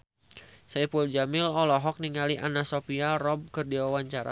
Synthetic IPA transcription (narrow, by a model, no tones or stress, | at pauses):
saipuld͡ʒamɪlɔlɔɦɔk̚niŋaliʔanasopiarɔb̚kɨrdiwawaɲt͡ʃaɾa̰